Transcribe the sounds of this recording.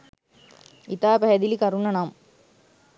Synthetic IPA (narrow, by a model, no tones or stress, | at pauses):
it̪aːpæɦɛd̪ilikɐɾunːɐnaːm